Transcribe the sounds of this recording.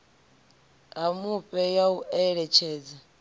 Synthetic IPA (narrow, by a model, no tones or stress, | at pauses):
amuɸʼɛjauʔɛɺɛt͡ʃʰɛːd͡za